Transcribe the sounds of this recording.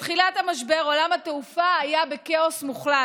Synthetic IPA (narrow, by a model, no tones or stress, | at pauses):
tχilatamaʃbeʁo̞lamhateufaːjabekeo̞smuχla